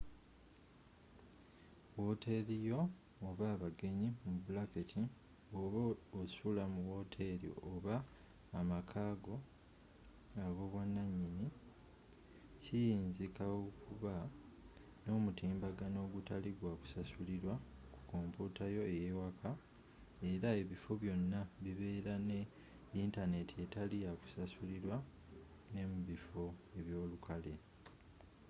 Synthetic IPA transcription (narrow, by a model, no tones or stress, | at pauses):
wote̞ɾijo̞ː | βaːβaɡe̞ɲimubulaketʰi | oosulamuwo̞ːtʰe̞ɾḭʔoβaː | makʰaːɡo̞ | aβo̞βwanːaɲːini | cijiːnzikawokuβa | no̞ːmutiːmbaɡano̞ːɡutaliɡwaku̥sasuliɾwaku̥koːmputajo̞ejewakʰa | e̞ɾae̞βifo̞βjo̞nːaβiβe̞ːɾane̞ | intane̞tʰie̞taliaku̥sasuliɾwa | ne̞muβifo̞e̞βjo̞ːlukʰale̞